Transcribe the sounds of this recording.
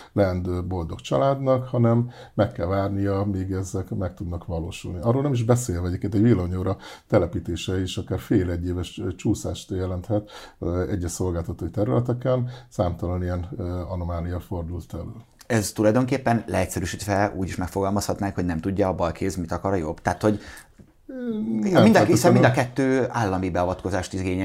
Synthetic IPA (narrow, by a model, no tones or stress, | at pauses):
lɛnd̪øbo̞ld̪o̞kt͡ʃɒlaːd̪nɒkhɒnɛmː | ɛkːɛlvaːrnijɒmiːɡɛzɛkmɛk̚t̪ud̪nɒkʋɒlo̰ːʃṵlniɒrːoːlnɛmiʒbɛseːlvɛɛɟeːpkeːnt̪ɛɟʋilːoɲoːɾɒt̪ɛlɛpiːt̪eːʃɛiʃɒkaːrfeːlɛɟːeːvɛʃt͡ʃuːsa̰ːʃt̪jɛlɛnt̪hɛt̪ɛɟːɛʃso̞lɡaːlt̪ɒt̪oːit̪ɛɾylɛt̪ɛkɛnsaːmt̪ɒlɒnijɛnɒnomaːnijɒfo̞rd̪ult̪ɛløːl | ɛzt̪ulɒjd̪o̞ŋkeːpːɛnlʔɛɛcsɛɾyːʃit̪ʋɛṵːɟiʃmɛkfo̞ɡɒlmɒshɒt̪naːŋkho̞ɟnɛmt̪uɟːɒːbɒlkʰeːzmit̪ɒkɒɾɒjo̞bt̪aːt̪ho̞ɟ | nɛmind̪isɛmid̪ɒkɛt̪ːøːaːlːɒmibɛɒvɒt̪ko̞zaːʃt̪iɡeːɲɛ